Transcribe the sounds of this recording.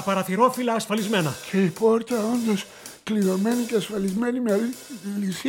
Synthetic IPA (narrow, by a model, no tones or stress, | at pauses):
ɐpɐɾɐθiɾo̞filɐːsfɐlizme̞nɐcʰe̞ipo̞ɾcɐond̪os | kliðo̞me̞niceɐsfɐlizme̞nimlisi